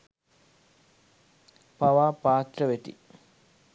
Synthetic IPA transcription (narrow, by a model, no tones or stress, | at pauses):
paʋaːpaːt̪rəʋet̪ḭ